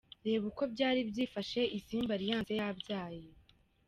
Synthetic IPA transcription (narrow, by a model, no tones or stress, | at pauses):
ɾe̞ːβuko̞bɟaːɾibɟiːfaʃe̞ʔisiːmbaɾijaːejabɟaːje